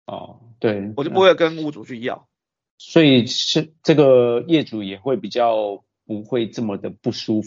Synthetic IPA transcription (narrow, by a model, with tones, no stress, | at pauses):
ɔ̰˥˩ | t̪we˥˩ɪɔ˨˥pwkə˦nu˥˧t͡su˨˩t͡ɕʰy˥˩i˧˥jɑ̰˥˩˨ŋ | swɔ˧˥i˨˩ʂ̩˥˩ʈ͡ʂɤ˥˩ɡə˨˩jɛ˥˩ʈ͡ʂu˨˩jɛ˨˩xwe˥˩ɪpi˨˩t͡ɕjɑ˥˩ʊ | pu˧˦xwe˥˧ɪʈ͡ʂɤ˥˩mə˨d̪ə˩pu˥˩ʂu˥